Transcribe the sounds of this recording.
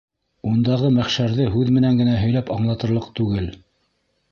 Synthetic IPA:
und̪ɑʁɤmæχʃæɾðɘɦʉðmɘ̆næŋɡɘ̆næɦɵ̆jlæpɑɴlˠɑt̪ɤ̆ɾlˠɤqt̪ʉɡɘl

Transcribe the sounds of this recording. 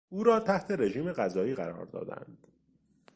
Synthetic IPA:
uːɾɒːt̪ʰæht̪ʰe̞ɾe̞ʒiːme̞ɢæzɒːiːɣæɾɒ̰ːɾd̪ɒ̰ːd̪æ̰nd̪̥

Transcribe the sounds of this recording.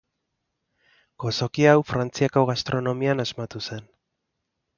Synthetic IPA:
ɡ̥o̞so̞kiawfɾant͡siakoɣast̪ɾo̞no̞mianazmat̪use̞n

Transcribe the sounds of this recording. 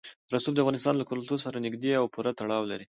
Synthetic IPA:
ɾasubd̪əafɣɑnɪst̪ɑnlakʊɾʊlt̪osaɾanɪɡd̪eawpuɾat̪aɽɑwlaɾi

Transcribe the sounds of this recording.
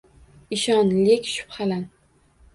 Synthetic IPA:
ɪʃɒnlɪkʲʃʊ̥pχalan

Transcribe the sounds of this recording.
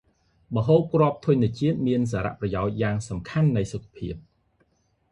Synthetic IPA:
mə̆ɦoːp̚krŏəp̚t̪ʰujɲniət͡ɕiət̪̚miəns̬aːɾa̰ʔprɑjaɔc̚jaːŋsɑmkʰanːɨjsokʰːḁpʰiəp̚

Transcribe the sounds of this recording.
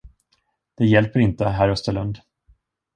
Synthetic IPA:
d̪̥ɛjɛlpəɾɪnt̪əɦæɾɵst̪əɭɵnd̪

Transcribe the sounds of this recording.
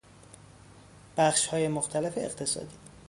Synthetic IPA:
b̥æxʃhɒːjemoxt̪ʰælefeeqt̪ʰe̞sɒ̰ːd̪iː

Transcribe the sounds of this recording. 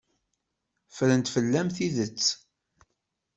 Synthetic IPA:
fɾənt̪fəlːæmθiðət͡sː

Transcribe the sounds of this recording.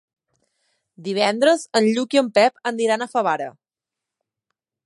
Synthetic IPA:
d̪iβ̞ɛnd̪ɾəzənʎukiəmpɛpənd̪iɾanəfəβ̞aɾə̰

